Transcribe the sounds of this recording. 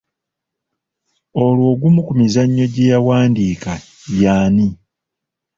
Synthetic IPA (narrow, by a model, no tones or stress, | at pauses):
o̞lwo̞ːɡumukumizaɲːo̞ɟejawaːndiːka | jaːni